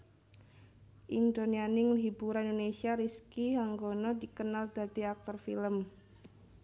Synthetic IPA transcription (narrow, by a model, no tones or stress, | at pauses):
ʔind̪onianɪŋɦibuɾaindonesiaɾiskiɦaŋɡonɔdikənald̪ad̪̥iak̚tɔrfḭləm